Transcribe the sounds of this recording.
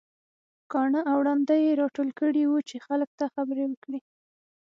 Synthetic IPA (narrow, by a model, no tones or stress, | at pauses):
kɑɳəʔawɽɑnd̪ajeɾɑʈolkəɽiwut͡ʃexalək̚t̪axabɾewəkɽi